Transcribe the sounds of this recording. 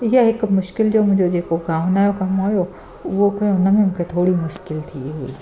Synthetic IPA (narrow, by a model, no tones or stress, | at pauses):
jɐɦɪkmʊʃkɪld͡ʒoːmʊ̃d͡ʒod͡ʒeːkoɡaːʋnaːjokɐmɦoːjo | ʋokõʊnmẽmʊ̃kʰet̪ʰoːɽimʊʃkɪlt̪ʰiɦuḭː